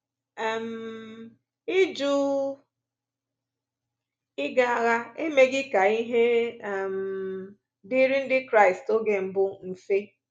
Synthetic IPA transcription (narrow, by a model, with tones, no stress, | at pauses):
ɛ˨m̩˨ | ɪ˦d͡ʒu˦ | ɪ˦ɡa˨a˨ɣa˦e˦me˦ɡɪ˦ka˨i˦ɦe˦˨m̩˨ | dɪ˦ɾɪ˦n̩˦dɪ˦kɾa˦˨ɪ˨sto˦ɡe˦m̩˨bʊ˦n̩˨fe˦